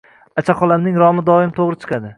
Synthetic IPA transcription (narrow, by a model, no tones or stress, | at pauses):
at͡ʃʰaqɒlˠamnɪŋɾɒmɪd̪ɒɪmt̪ʰoʁɾɪt͡ʃʰɨ̥qʰɑd̪ɪ